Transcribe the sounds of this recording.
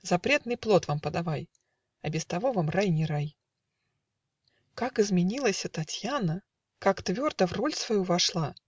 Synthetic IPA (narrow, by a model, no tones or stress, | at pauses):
zɐpɾʲe̞t̪nɨjplˠo̞t̪vampəd̪avaj | ɐbʲɪst̪ɐvovamrajnʲɪɾaj | kakɨzmʲɪnʲilˠəsʲɐt̪ɐtʲjanə | kakt̪vʲo̞rd̪əvrolʲsvɐjuvɐʂlˠa